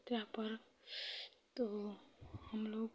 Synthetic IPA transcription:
t̪apəɾ | t̪o | həmloːk

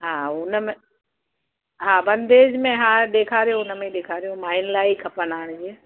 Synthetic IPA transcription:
ɦãːʊnmẽ | ɦãːbɐ̃nd̪eːd͡ʒmẽɦãɗ̪eːkʰaːɾijõʊnmẽɗ̪eːkʰaːɾijõmaːɪnlaːikʰɐpənaːɽ̃d͡ʑi

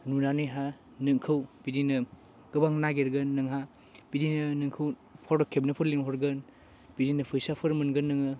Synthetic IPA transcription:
nunanɯjɦa | nɯŋkʰɯwb̥idinɯ | ɡ̥ɯbaŋnaɡeɾɡɯnːɐŋɦa | bidinɯnɯŋkʰɯw | pʰɔɾdɔkʰep̚nɯpʰɯɾliŋhɔɾɡɯn | b̥idinɐpʰɯjsapʰɯɾmɯnɡɯnːɯŋɯ

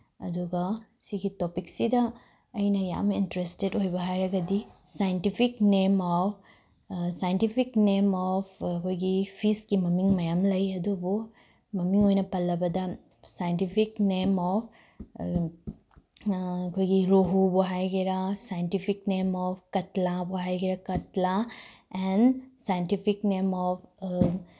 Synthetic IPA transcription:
ɐduɡɐsiɡitopiksidɐː | jnɐja̰mintɾestedojbɐɦajɾɐɡɐdisajntipʰiknema | sajentipʰiknemɔpʰɐkʰojɡipʰiskimɐmiŋmɐjamlɐjɐdubu | mɐmiŋɦojnɐpɐlːɐbɐd̪a | sajnʈipʰiknemɔp̚ʰ | ɐkojɡiɾoɦuboɦajɡiɾasajnʈipʰiknemɔpʰkɐtlaboɦajɡiɾakɐtlaɛnsajnʈipʰiknemɔpʰ

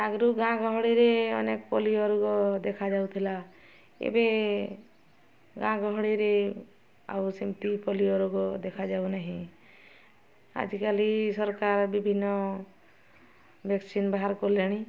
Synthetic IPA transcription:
aɡɾuɡãɡɔɦɔɽiɾeɔnekpɔliɔɾuɡɔd̪ekʰad͡ʒawt̪ʰila | ḛbe | ɡãɡɔɦɽiɾe | a̰wsimt̪ipɔliɔɾuɡɔd̪ekʰad͡ʒaunaɦĩ | a̰d͡ʒkalisɔɾkaɾbibʱinːɔ | bʱeksinbaɦaɾkɔleɽ̃i

